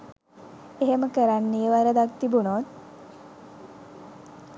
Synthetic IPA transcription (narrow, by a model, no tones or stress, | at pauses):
eɦeməkəɾanːijəʋaɾəd̪akt̪ibunoːt̪